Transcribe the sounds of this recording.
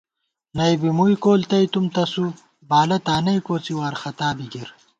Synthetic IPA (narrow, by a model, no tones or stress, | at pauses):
nɐjbimujkoːlt̪ɐjt̪umt̪ɐsu | baːlɐt̪aːnɐjkoːt͡siwaːɾxɐt̪aːbiɡiɾ